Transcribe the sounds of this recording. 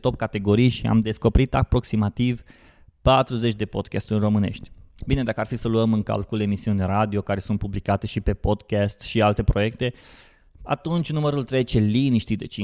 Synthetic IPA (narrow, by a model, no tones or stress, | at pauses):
t̪o̞pkat̪e̞ɡo̞ɾijʃia̰md̪e̞sko̞peɾit̪a̰pɾo̞ksimat̪iv | pat̪ɾuze̞t͡ʃʲd̪e̞po̞d̪kʲast̪urʲro̞mɨne̞̰ʃt̪ʲbine̞d̪akəarfisəluəmɨŋka̰lkule̞misiunʲrad̪io̞kaɾe̞sunt̪̚publikat̪e̞ʃipe̞po̞d̪kʲast̪ʃialt̪e̞pɾo̞je̞k̚t̪e̞ | a̰t̪unt͡ʃʲnuməɾult̪ɾejt͡ʃe̞liniʃt̪id̪ḛt͡ʃi